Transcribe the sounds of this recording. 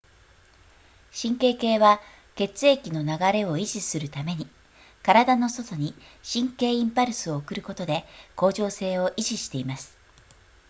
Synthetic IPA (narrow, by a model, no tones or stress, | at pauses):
ɕĩŋke̞ːke̞ːβa | ke̞t͡sɨe̞kʲino̞naɡaɾe̞o̞iʑisɨɾɯ̟t̪ame̞ɲ̟i | kaɾad̪ano̞so̞t̪o̞ɲ̟iɕĩŋke̞ːĩmpaɾɯ̟sɨo̞ːkɯ̟ɾɯ̟ko̞t̪o̞d̪e̞ko̞ːʑo̞ːse̞ːo̞ʔiʑiɕi̥t̪e̞imasɨ̥